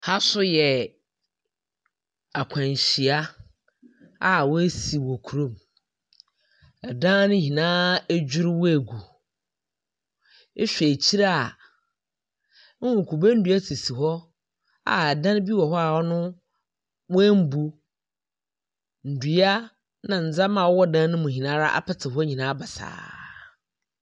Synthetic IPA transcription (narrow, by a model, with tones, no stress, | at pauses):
ha˦sʊ˦jɛ˨ | a˨kʷʰã˨ɲ˨ɕi˨a˦ | a˨wɔ˦e˦si˨wo˨kʰu˨ɾõ˦˨m | ɛ˨dã˦nʊ̃˦hĩ˨nãː˦e˦d͡ʑᶣɪ˦ɾwɔ˦e˨ɡu˨ | e˦ɕᶣe˨t͡ɕʰi˦ɾa˦a˨˦ | wʊ̃˨kʰu˨ba˦n̩˦dɥa˦tʰi˨si˨ɦɔ˦ | a̰˨dã˦n˦bi˦wɔ˨ɦɔ˦a˨ɔ˦nʊ̃˦ | wɛ˦m̩˦bu˦ | n̩˨du˨a˦ | nã˨n̩˨d͡za˦mã˨wɔ˦wɔ˦dã˦nʊ̃˦mʊ̃˨hĩ˨nã˦ɾa˦ʔa̰˦pʰɪ˦tʰɪ˨hɔ˦ɲĩ˨nãː˨˦ba˨sa̰ː˨